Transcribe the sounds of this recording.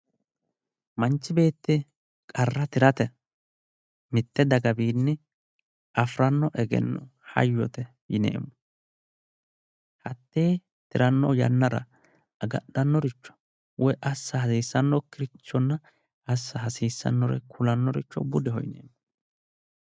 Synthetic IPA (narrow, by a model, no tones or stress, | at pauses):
mɐnt͡ʃːɪbe̞ːt̪ːɪ | kʼɐrːɐt̪ɪɾɐt̪ɛ | mɪt̪ːɛd̪ɐɡɐbiːnːɛ | ɐfɾɐnːɔʔɛɡɛ̰nːɔ̰hɐ̰jːɔt̪ɛ | jɪnḛːmːɔ | hɐt̪ːeː | t̪ɪɾɐnːɔjɐ̰nːɐɾɐ̰ | ɐɡɐ̰ɗɐnːɔɾɪt͡ʃːɔ̥ | wɔjʔɐsːɐhɐsiːsːɐnːɔkɪɾɪt͡ʃːɔnːɐ | ɐsːɐɦɐsiːsːɐ̰nːɔɾɛ̰kʰʊlɐnːɔɾɪt͡ʃːɔ̰bʊd̪ɛɦɔjɪnḛːmːɔ